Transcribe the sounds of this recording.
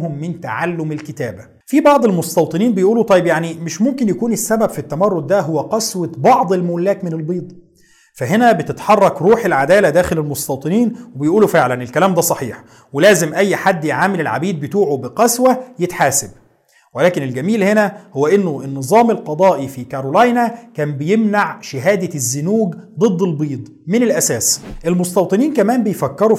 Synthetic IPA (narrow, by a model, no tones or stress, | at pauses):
hʊmːɪnt̪a̰ʕalːʊmelkɪt̪æːbæ | fibɑʕd̪ˤelmost̪ɑwt̪ˤɨniːnbejʔuːlut̪ˤɑjːebjaʕnimɪʃmomkɪnjækuːnesːæbæbfit̪ːæmɑrˤːod̪̚ːæɦowːæqɑswæbɑʕd̪ˤelmolːæːk̪mɪnelbiːd̪ˤ | fæɦenæbɪt̪ɪt̪ħɑrˤːɑkɾuːħelʕad̪æːlæd̪æːxelelmost̪ɑwt̪ˤɨniːnwebejʔuːlufeʕlænelkælæːmd̪æsˤɑħiːħ | welæːzɪmʔæjːħad̪ːjeʕaːmɪlelʕa̰biːd̪̚bet̪uːʕubɪqɑswæjet̪ħaːsɪb̚ | welæːkɪnelɡæmiːlhenæhowːæʔɪnːʊʔenːɨzˤɑːmelqɑd̪ˤɑːʔifikɑɾˤolɑjnækæːnbɪjemnaʕʃɪɦæːd̪æzːʊnuːɡd̪ˤɨd̪ˤːelbiːd̪ˤmɪnɪlʔæsæːsʔelmost̪ɑwt̪ˤɨniːnkæmæːnbejfækːɑɾu